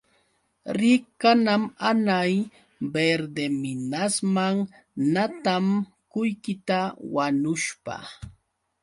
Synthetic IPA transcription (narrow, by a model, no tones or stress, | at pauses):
ɾɪkanamanaj | beɾd̪emɪnasmaŋ | nat̪am | kʊjkɪt̪awanʊʃpa̰